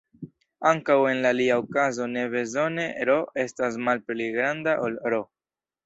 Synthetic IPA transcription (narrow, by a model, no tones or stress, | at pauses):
aŋkawe̞nlaliaokazo̞ne̞βe̞zo̞ne̞ɾo̞e̞stas̬malpliɡɾandaʔolɾo̞